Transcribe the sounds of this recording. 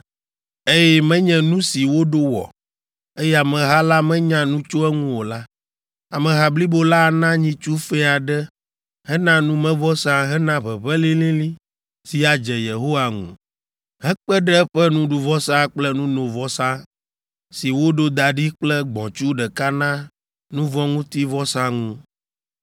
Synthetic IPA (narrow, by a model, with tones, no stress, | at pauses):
e˦jɛ˦mɛ̃˦ɲɛ̃˦nũ˦si˨wo˦ɖo˦wɔ̰˨ | e˦jɛ˦˨a˨mɛ̃˨ɦa˦la˦mɛ̃˦ɲã˦nũ˦t͡ʃo˦ɛ˦ŋũ˦wo˨la˦ | a˨mɛ̃˨ɦa˨bli˦bo˦la˦˨nã˦ɲĩ˦t͡ʃu˦fɛ˦a˨ɖɛ˦ | ɦɛ˦nã˦nũ˦mɛ̃˦vɔ˦sã˦ɦɛ˦nã˦βɛ˨βɛ˦lĩ˦lĩ˦lĩ˦ | si˨a˨d͡ʒɛ˨je˨ɦo˦wa˨ŋṵ̃˨ | ɦɛ˦k͡pɛ˦ɖɛ˦ɛ˦ɸɛ˦nũ˦ɖu˨vɔ˦sã˦k͡plɛ˦nũ˦nõ˨vɔ˦sã˦ | si˨wo˦ɖo˦d̪a˨ɖi˦k͡plɛ˦ɡ͡bɔ̰̃˨t͡ʃu˦ɖɛ˨ka˦nã˦ | nũ˦vɔ̃˦ŋũ˦t̪i˦vɔ˦sã˦ŋũ˦